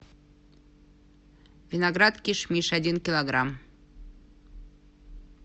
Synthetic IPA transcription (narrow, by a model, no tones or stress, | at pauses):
vʲɪnaɡɾat̪kʲiʂmʲiʂadʲinkʲɪlˠɐɡɾam